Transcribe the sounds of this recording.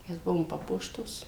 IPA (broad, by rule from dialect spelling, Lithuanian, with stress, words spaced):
ˈmʲɛs ˈbʊʋoːm ˈpɑːpuɔʃtoːs